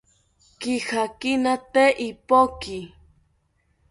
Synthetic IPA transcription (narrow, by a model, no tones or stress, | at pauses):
kihakinat̪eʔipoki